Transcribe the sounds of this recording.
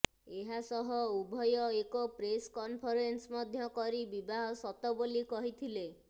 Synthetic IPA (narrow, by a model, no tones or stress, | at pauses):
eɦasɔɦɔubʱɔjɔekɔpɾeskɔmpʰɔɾensmɔd̪ʱjɔkɔɾibibaɦɔsɔt̪ɔbolikɔɦit̪ʰile